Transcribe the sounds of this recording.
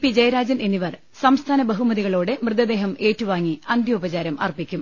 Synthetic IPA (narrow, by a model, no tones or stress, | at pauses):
pid͡ʑɐjɐɾaːd͡ʑɐneniʋɐr | sɐmst̪ʰaːnɐbɐɦumɐðiɣɐɭoːɽe̞mrɨd̪ɐd̪e̞ːɦɐme̞ːtːuʋaːŋːiɐnd̪ʱjɐubɐt͡ɕaːɾɐmɐ̰rpikʲːum